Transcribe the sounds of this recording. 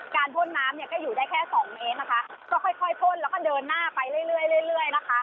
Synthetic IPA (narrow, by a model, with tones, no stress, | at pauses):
kaː˧np̪ʰo˥˩nːaː˦˥mjia˧˩k̪ɛː˥˩juː˨˩daː˥˩jkʰɛː˥˩sɔː˨˩˦ŋmeː˦˥t̪̚na˦˥kʰa˦˥ | kɔː˥˩kʰɔ˥˩jk̪ʰɔ˥˩jt̪ʰo˥˩nlɛː˦˥wkɔː˥˩dɤː˧nːaː˥˩pa˧jlɯ˥˩əjlɯ˥˩əjlɯ˥˩˨jɾɯ˥˩əjna˦˥kʰa˦˥ʔ